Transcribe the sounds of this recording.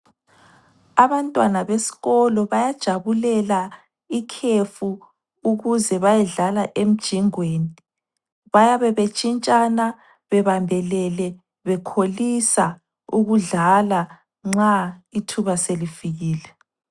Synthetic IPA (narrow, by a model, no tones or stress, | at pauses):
aβantʼwanaβesi̥ɣɔlɔβajad̥ʒ̥ʱaβulɛla | ikʰefu | uɣuzɛβajɛɮalaʔem̩d̥ʒ̥ʱiŋweːni | βajaβɛβet͡ʃʼint͡ʃʼana | βɛβambʱɛlɛlɛ | βɛkʰolisa | uɣuɮala | ŋ͡ǁaitʰuβaselifiɣiːlɛ